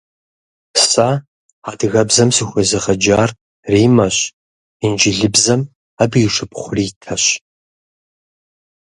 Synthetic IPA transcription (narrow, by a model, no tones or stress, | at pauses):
sa | adɣɐbzɐmsɨxʷɐzɐʁɐd͡ʒaːr | riːmɐɕ | ind͡ʒɪɮɨbzɐm | abiːʂɨpχʷʊriːtʰɐɕ